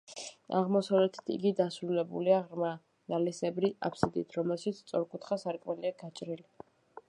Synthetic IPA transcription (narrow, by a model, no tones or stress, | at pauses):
a̰ʁmɔsavlɛt̪ʰi̥t̪ʰḭɡid̪asɾulɛbṵliaʁɾma | nalisɛbɾia̰pʰsid̪ḭt̪ʰɾɔmɛlˠʃit̪sʰt̪sʼɔɾkʼut̪ʰχasaɾkʼmɛliaɡat͡ʃʼɾili